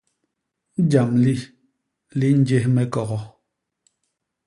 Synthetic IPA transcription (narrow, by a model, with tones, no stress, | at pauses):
d͡ʒa˨mli˦ | li˦n̩˦d͡ʒe˦hmɛ˦kɔ˨ɣɔ˨